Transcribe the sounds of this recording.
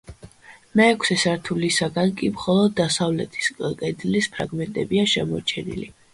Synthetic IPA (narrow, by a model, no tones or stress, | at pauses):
mɛːkʷʰsɛsaɾt̪ʰulisaɡankʼimχɔlˠɔd̪̚ːasavlɛt̪ʰi̥skʼkʼɛd̪lispʰɾa̰ɡmɛnt̪ʼɛbiaʃɛmɔɾt͡ʃʰɛnḭli